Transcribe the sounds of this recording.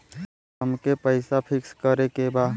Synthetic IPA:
əmkepəɪsapʰɪkskəɾekebaː

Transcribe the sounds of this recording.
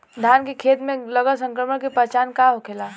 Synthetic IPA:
d̪ʱjaːnkekʰeːt̪mẽləɡəlsə̃ŋkɾəməɽkepət͡ʃaːnkaɦokʰeːlaː

